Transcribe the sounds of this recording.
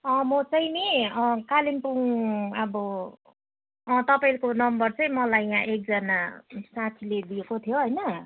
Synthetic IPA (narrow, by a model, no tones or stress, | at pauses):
ʌ̃mʌt͡sʌj̃neʌ̃kalimpuŋʌbʌ | ʌt̪ʌpailkonʌmbʌrt͡sʌĩmʌlajːãʔek̚d͡zʌnasãt̪ʰiled̪iekot̪ʰjoɦʌjnʌ